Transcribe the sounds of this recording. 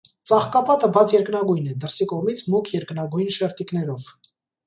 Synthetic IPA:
t͡sɑχkɑpɑt̪əbɑt͡sʰjɛɾknɑɡujnɛd̪əɾsikɔʁmit͡sʰmukʰjɛɾknɑɡujnʃɛɾt̪ikn̪ɛɾɔv

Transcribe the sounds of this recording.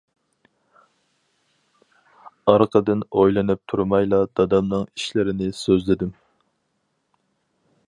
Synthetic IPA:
ɑɾqʰəd̪ɨnojlˠɨnɨp̚t̪ʰuɾmɑjlˠɑd̪̥ɑd̪ɑmnɨŋiʃlɪɾɪnɪsøzlɪd̪ɪm

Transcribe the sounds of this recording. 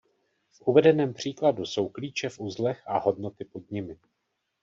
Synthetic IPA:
fʔuvɛdɛnɛːmpr̝̥iːkladuso̞wkliːt͡ʃɛfʔuzlɛxʔaho̞dno̞t̪ɪpo̞d̚ɲɪmɪ

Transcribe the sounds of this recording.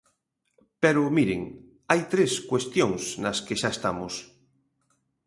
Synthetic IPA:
peɾomiɾḛŋ | ajt̪ɾeskwest̪joŋsnaskeʃaest̪a̰mos

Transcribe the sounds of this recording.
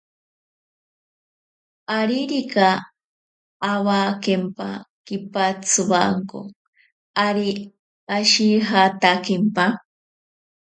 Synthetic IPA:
aɾiɾika | βakempa̰kipat͡sʰɨβaŋko̰ | aɾi | aʃiɦat̪akempa

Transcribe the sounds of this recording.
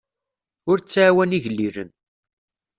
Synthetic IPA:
ʊɾt͡sːaʕːwæniʝəlːiɾə̰n

